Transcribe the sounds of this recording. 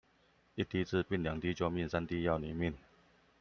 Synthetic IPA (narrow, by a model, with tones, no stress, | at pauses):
i˥˨t̪i˥t͡sɹ̩˥˧pi˥˨nlja˨˩ŋt̪i˥˦t͡ɕjɔ˥˧mi˥˨nsa˥nt̪i˥˧ja˥˩ʊni˨˥˦mi˥˨n